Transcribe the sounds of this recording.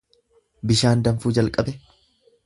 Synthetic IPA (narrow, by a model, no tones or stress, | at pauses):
bɪʃaːnd̪ɐɱfuːd͡ʒɐlkʼɐbɛ